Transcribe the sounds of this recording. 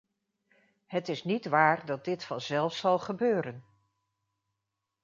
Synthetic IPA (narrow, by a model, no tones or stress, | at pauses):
ɦətɪsnitʋaːɹdɑt̚dɪtfɑnzɛlˠfsɑlˠχəbøːɾən